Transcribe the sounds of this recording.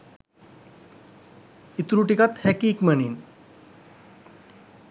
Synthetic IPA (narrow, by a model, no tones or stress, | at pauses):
it̪ɾuʈikat̪hɛkiːkməniːn